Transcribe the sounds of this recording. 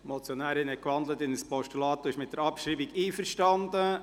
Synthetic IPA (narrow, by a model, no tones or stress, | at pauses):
mɔt͡sjɔnæːɾɪnhɛkʋɑndlətɪnəspɔʃtulɑːt̪oɪʃmɪt̚dəɾɑpʃɾiːbiɡiːfəɾʃtɑnd̪ə